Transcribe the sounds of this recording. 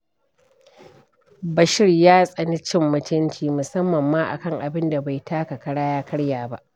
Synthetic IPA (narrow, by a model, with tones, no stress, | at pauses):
bɐ˨ʃɪ˦rjaː˦sʼɐ˨ni˦t͡ʃɪ˦˨mːʊ˦tʊ˦ntiː˦mʊ˨sɐ˦mːɐ˨mːaː˦ʔa̰˨kɐ˦ŋʔa˨bɪ˦nda˨ba˨jtʰaː˦ka˨kɐ˦ɽaː˦jaː˦kʰɐ˦ɽjaː˨ba˦ʔ